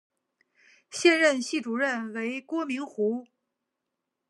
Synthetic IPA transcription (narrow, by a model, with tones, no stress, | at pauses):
ɕjɛ˥˧nɻə˥˧nɕi˥˩ʈ͡ʂu˨˩ɻə˥˩nwe˧˥ɪkwɔ˥mi˧˥ŋxu˧˥